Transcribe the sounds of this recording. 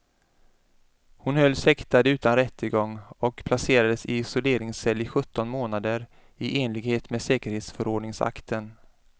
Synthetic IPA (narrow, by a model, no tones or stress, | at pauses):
hʊnhœlːsɛkt̪ad̪əʉ̟ːt̪anɾɛt̪ʰːəɡɔŋːɔkpʰlaseːɾad̪əsɪɪsɔleːɾɪŋsɛlːɪɧɵt̪ːɔnmoːnad̪əɾ | ɪʔeːnlɪɡheːt̪meːsɛːkəɾheːt̪sfœɾɔːɖɳɪŋsa̰kt̪ʰən